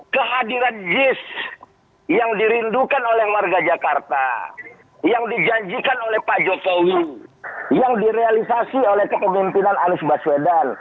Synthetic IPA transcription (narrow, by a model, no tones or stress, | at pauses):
kəɦadiɾand͡ʒɪs | jaŋdiɾindukanolɛhwarɡad͡ʒakart̪a̰ | jaŋdid͡ʒaɲd͡ʒikanolɛhpad͡ʒokowi | jaŋdiɾealisasiolɛhkəpəmimpinananʊsbaswedan